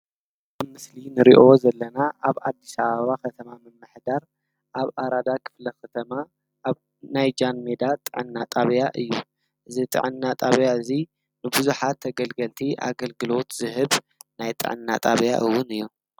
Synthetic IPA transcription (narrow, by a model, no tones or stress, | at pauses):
bɨmɨslinɨɾiʔo̞zɐlːɐnaʔaβad̪ːisaβɐβakɐt̪ʰɐmamɨmːɨħd̪aɾ | ʔaβʔaɾad̪akʰɨ̥flɐkɐt̪ʰɐma | ʔaβ | najd͡ʒanmed̪at̪ʼɨʕɨnːat̪ʼaβjaʔɨjːu | ʔɨzit̪ʼɨ̰ʕɨnːat̪ʼaβjaɨzi | nɨbuzuħat̪ʰːɐɡɐlɡɐlt̪ʰiʔa̰ɡɐlɡɨlo̞t̪zɨɦɨβ | najt̪ʼɨ̰ʕɨ̰nːa̰t̪ʼaβja̰ʔɨwːʊnɨjːu